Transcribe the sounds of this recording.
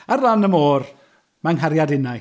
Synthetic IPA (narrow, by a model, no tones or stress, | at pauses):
arlˠanəmoːr | manɦaɾjadɪna